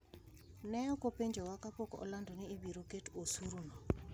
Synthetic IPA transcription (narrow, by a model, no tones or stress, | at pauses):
nɛjɔkopeɲd͡ʒɔwakapokoʔɔ̰landɔniːbiɾoketosuɾuno